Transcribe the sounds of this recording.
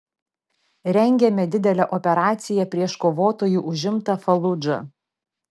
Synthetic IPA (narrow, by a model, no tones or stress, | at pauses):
ɾʲɛŋʲɡʲɛmʲɛd̪ʲɪd̪ʲɛlʲɛʔɔpʲɛɾɑːt̪sʲɪjɛpʲɾʲiɛʃkoːʋoːt̪oːjuːʔʊʒʲɪmt̪ɐfɐlˠʊd͡ʒɐ̰